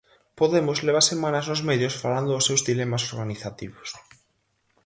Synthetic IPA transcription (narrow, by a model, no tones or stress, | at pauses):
poðemʊzleβasemãnaznʊzmeðjosfaland̪ʊːsewzðilemasoɾɣaniθat̪iβʊs